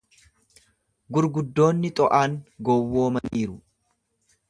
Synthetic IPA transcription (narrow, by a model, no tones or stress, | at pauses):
ɡʊɾɡʊd̪ːo̞ːnːɪt̪ʼɔʔaːŋɡɔwːo̞ːmɐniːɾʊ